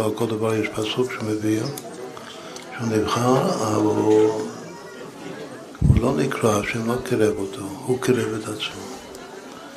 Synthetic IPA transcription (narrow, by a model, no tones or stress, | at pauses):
akold̪evaɾjɛʃpasukʃemevi | ʃeunivχaɾavl | hulonikɾaaʃɛmlokiɾevot̪ʰohukiɾevet̪at͡smo